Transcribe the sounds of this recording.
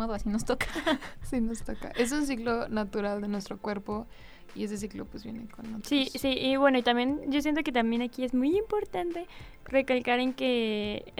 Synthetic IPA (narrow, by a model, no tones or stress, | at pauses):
aβasinost̪okḁsinost̪oka̰ʔe̞s̬uns̬iklonat̪uɾald̪enwe̞st̪ɾo̞kwe̞ɾpo̞ | ie̞s̬e̞s̬iklo̰pwezβje̞̰nekonot̪sisiʔːβwe̞no̞it̪ambjenɟ͡ʝo̞s̬jent̪o̞ke̞t̪ambje̞nakie̞zmujimpo̞ɾt̪ant̪e̞ | re̞kalkaɾe̞ŋke̞